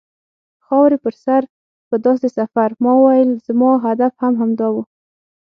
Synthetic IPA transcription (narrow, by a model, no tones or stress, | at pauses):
xɑwɾepəɾsaɾ | pəd̪ɑsesafaɾmɑwəwajəlz̥mɑɦad̪afhamɦamd̪ɑwu